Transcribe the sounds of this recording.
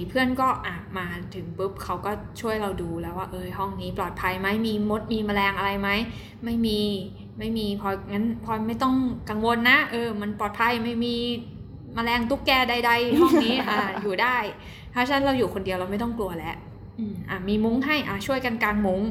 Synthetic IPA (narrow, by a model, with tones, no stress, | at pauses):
i˨˩pʰɯ˥˩ənkɔː˥˩ʔaː˨˩maː˧t̪ʰɯ˩˦ŋpɯ˦˥p̚kʰa˦˥wkɔː˥˩t͡ɕʰu˥˩əjɾa˧wduː˧lɛː˦˥waː˥˩ʔɤː˧ɦɔ˥˩ŋniː˦˥plɔː˨˩t̪̚pʰa˧jma˦˥jmiː˧mo˦˥t̪̚miː˧ma˧lɛː˧ŋʔa˧ɾa˧jma˦˥j | ma˥˩jmiː˧ | ma˥˩jmiː˧pʰɔː˧ŋa˦˥npʰɔː˧ma˥˩jt̪ɔ˥˩ŋka˧ŋwo˧nːa˦˥ʔɤː˧ma˧npɔː˨˩t̪̚pʰa˧jma˥˩jmiː˧ | ma˧lɛː˧ŋt̪u˦˥kːɛː˧da˧jda˧jhɔ˥˩ŋniː˦˥ʔa˧˩juː˨˩daː˥˩j | t̪ʰaː˥˩t͡ɕʰa˧˩na˦˥ɾa˧wjuː˨˩kʰo˧ndi˧əwɾa˧wma˥˩jt̪ɔ˥˩ŋklu˧ɐlɛ˦˥ʔ | ʔɯː˧˩mʔa˧˩miː˧mu˦˥ŋɦa˥˩jʔa̰˨˩t͡ɕʰu˥˩əjka˧nkaː˧nmu˦˥ŋ